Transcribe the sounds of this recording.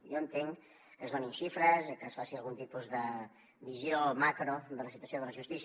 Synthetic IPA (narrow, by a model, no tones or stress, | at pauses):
joənt̪eŋ | kəzoninʃifɾəskəsfasialɣunt̪ipuzðə | βizjomakɾod̪ələsit̪wɐsjoðələʒust̪is